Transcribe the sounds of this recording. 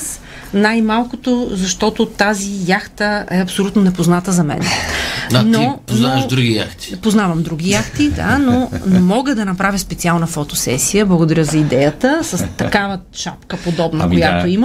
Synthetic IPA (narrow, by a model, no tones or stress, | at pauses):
s | najmalˠkot̪ozɐʃt̪ɔt̪ot̪azijaxt̪əɛɐpsolʲut̪nonɛpoznat̪əzɐmɛ̰nɛannoponaʒd̪ɾuɡija̰xt̪i̥poznavɐmd̪ɾuɡʲijaxt̪id̪a̰nonɛmɔɡəd̪ɐnɐpɾavʲjəspɛt̪sialˠnəfot̪o̥sɛ̰sijəblˠɐɡod̪ɐɾʲəzɐid̪ɛjət̪əsəst̪ɐkavə | ʃa̰pkəpod̪ɔbnəkojat̪oim